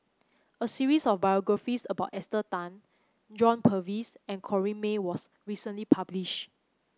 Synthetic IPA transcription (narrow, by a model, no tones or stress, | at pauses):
əsiɹisɔfbajɔɡɹafisəbaʊtɛstətãn | d͡ʒɔ̃npʰəvisɛ̃nkʰɔɹĩnmewɔs | ɹisə̃nlipʰabliʃt